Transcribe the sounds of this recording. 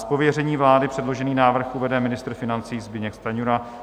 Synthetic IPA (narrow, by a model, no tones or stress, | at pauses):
spovjɛrɛɲiːvlaːdɪpr̥ɛdlo̞ʒɛniːnaːvr̩xʔuvɛdɛmɪnɪst̪ɾr̩fɪnant͡siːzbɪɲɛkst̪aɲuɾa